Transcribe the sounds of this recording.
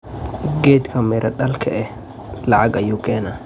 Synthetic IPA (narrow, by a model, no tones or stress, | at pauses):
ɡeːt̪kʰɐmɛːɾʔɐᶑɐlkʰɛʔɛ | lɐʕaɡɐjʊkeːnɐ